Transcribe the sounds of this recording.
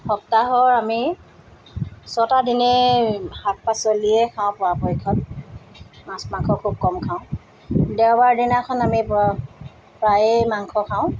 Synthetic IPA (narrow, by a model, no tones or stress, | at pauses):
xɔk̚taɦɔɹami | sɔtadinɛhak̚pasoliɛkʰaʊ̃pɔwapɔjkʰɔt | mãsmaŋkʰɔkʰub̚kɔmkʰãʊ̃ | dɛwbaɹdinakʰɔnamip | pɹajɛmaŋkʰɔkʰaʊ̃